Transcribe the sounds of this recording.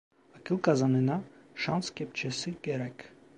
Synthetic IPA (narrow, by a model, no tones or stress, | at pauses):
ɑkjulkɑzɑnɛnɑʃɑnskɛp̚t͡ʃʰɛsiɡɛɾɛkʰ